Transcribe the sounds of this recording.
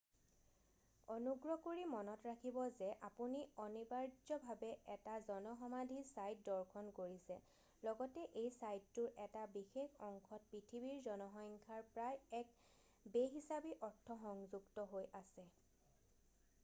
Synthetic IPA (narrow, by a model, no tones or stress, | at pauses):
ɔnuɡɹɔkoɹimɔnɔtɹakʰibɔzɛʔapuniɔnibaɹd͡ʒɔbʱabɛɛtazɔnɔxɔmadʱisajt̚dɔɹkʰɔnkoɹisɛ | lɔɡɔtɛʔejsajtːʊɹʔɛtabixexɔŋkʰɔt̚pɹitʰibiɹzɔnɔxɔjŋkʰaɹpɹajɛk | beɦisabiʔɔɹtʰːɔxɔŋzuɡtɔɦojʔasɛ